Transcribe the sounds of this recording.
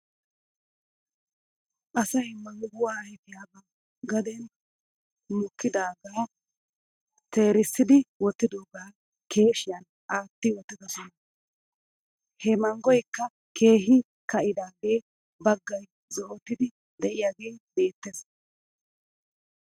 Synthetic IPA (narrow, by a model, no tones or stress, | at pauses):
ʔɐsɐjmɐŋɡʊwaːhɛfɪjaːbɐ | ɡɐd̪ɛn | mʊkːɪd̪aːɡaː | t̪e̞ːɾɪsːɪd̪ɪwɔt̪ːɪd̪oːɡaː | ke̞ːʃɪjɐn | ʔaːt̪ːɪwɔt̪ːɪd̪ɐsɔnɐ | hɛmɐŋɡɔjkːɐ | kʰe̞ːɦɪ | kɐʔɪd̪aːɡe̞ː | bɐɡːɐj | zɔʔot̪ːɪd̪ɪ | d̪ɛʔɪjaːɡe̞ːbe̞ːt̪ːes